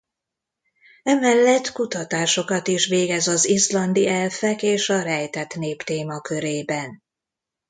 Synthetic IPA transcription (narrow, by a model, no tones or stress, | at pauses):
ɛmɛlːɛt̪ːkut̪ɒt̪aːʃo̞kɒt̪iʃʋeːɡɛzɒzislɒnd̪iɛlfɛkeːʃɒɾɛjt̪ɛt̪neːpt̪eːmɒkø̞ɾeːbɛn